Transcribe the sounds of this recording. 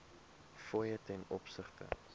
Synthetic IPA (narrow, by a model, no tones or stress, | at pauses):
fɔjətɛnɔpsəχtə̰